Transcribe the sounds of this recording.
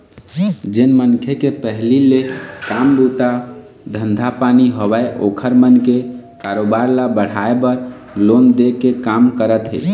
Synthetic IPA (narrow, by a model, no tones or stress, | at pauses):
d͡ʒenmənkʰekepəɦlilekambut̪a | d̪ʱənd̪ʱapaniɦobaeʔo̰kʰəɾmənkekaɾobaɾlabəɽ̤aebəɾ | lond̪ekekamkəɾət̪ɦḛ